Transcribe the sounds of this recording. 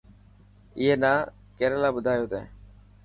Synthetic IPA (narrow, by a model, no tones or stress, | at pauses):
ɪɦeːnaː | keːɾeːlaːbʊd̪ʱaːjoːt̪ẽː